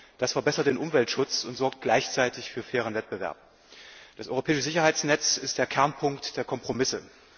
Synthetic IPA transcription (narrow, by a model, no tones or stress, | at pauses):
d̥asfɛɐbɛsɐt̚d̥eːnʔʊmvɛltʃʊt͡sʊntz̥ɔɐk̚t̚ɡ̥laɪçt͡saɪtɪçfyːɐfɛːʁ̞ənvɛt̚b̥əvɛ̰ɐp̚ | d̥asʔɔʏʁopɛːɪʃəzɪçɐhaɪt͡snɛt͡sɪstd̥eːɐkʰɛɐnpʰʊŋktd̥eːɐkʰɔmpʁ̥omɪsə